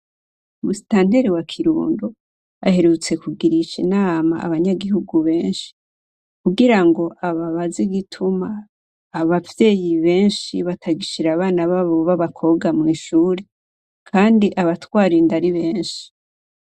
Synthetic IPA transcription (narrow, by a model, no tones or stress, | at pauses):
musitaːn̥deɾiwakʰiɾṵːndo | a̰he̞ɾut͡se̞kuɡiɾit͡ʃinama̰ʔa̰βaɲaɡihuɡuβe̞ːnʃi̥ | kuɡiɾaŋɡo̞ʔaβaβaziɡitʰumaː | βavje̞ːjiβe̞ːnʃiβatʰaɡiʃiɾaβaːnaβaβoβaβakʰo̞ɡamŋiːʃuːɾe | kʰaːndiʔaβatwaːɾindaɾiβe̞ːnʃi̥